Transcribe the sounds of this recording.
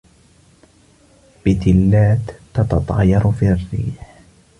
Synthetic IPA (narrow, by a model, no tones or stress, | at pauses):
b̥ɪt̪ɪlːaːt̪ːɑt̪ɑt̪ˤɑ̰ːjɑɾfiːrːḭːħ